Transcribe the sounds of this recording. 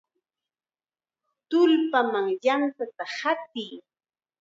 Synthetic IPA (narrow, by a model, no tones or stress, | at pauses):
t̪ʊlpamaŋjantat̪ahat̪ij